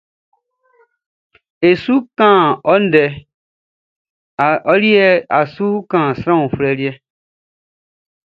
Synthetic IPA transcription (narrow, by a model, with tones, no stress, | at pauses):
e˨su˦kã˦˨ɔ˦n̩˦dɛ˨ | ɔ˦ɾi˦ɛ˦a˨su˦kã˨sɾã˦ũ˨fɾɛ˨ɾi˦ɛ˦